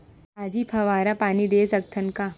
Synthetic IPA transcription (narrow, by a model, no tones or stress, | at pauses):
aːd͡ʒipʰɐʋaːɾapaːnid̪eːsɐk̚t̪ʰənka